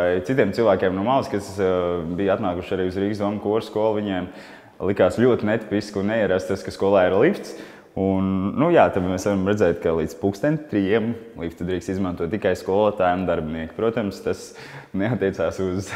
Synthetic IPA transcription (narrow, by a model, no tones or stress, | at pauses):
ajt̪it̪̬ʲiɛmsilˠʋæːkʲeɛmnuɔmalˠskasbijat̪naːkuʃaɾiːuzɾiːɡsd̪uɔmkuɔɾskuɔlˠviɲɛɛm | lˠikaːslʲuɔt̪inɛt̪i̥piskunnɛiɛɾast̪t̪askaskuɔlˠaːiɾlˠift̪s | unːujaːt̪ad̪mɛsʋaɾamɾɛd̪zɛːt̪kalˠiːd̪spukst̪ɛnt̪t̪ɾijiɛm | lˠift̪d̪ɾiːkst̪izmãnt̪uɔt̪ːikajskuɔlˠot̪aːjmd̪aɾbiniɛkpɾuɔt̪amst̪as | neat̪ʲːiɛt̪saːsuz